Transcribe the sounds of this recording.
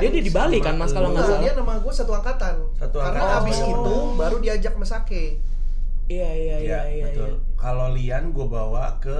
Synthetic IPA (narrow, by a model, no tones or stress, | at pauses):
diadiadibalikanmaskaloŋaaladianamaŋɡuasat̪uakat̪an | sat̪uakaɾənaabɪsinʊŋbaɾudiad͡ʒak̚masake | ijaijajajat̪ʊl | kalolianɡuabawakə